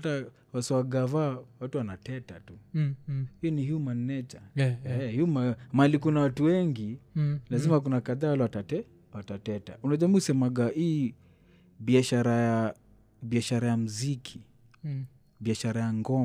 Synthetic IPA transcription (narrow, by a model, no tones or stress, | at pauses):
ta | wasiwaɡavawatuwanatɛta̰tu | hijɔnihumanɛt͡ʃahiumamalikunawatuwɛŋɡilazimak̬unakaðawalawatat | watatɛta̰ʔunaʄamiusɛmaɡaʔiː | biaʃaɾaja | biaʃaɾajam̩zikʰi | biaʃaɾajaŋɡɔ